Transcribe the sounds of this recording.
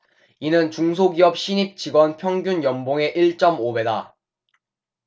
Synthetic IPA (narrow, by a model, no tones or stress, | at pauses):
inɯnt͡ɕuŋs̬ʰoɡiʌp̚ɕ͈iɲik̚t͡ɕiɡwʌnpʰjʌŋɡunjʌmboŋe̞ʔiɭt͡ɕ͈ʌmobe̞da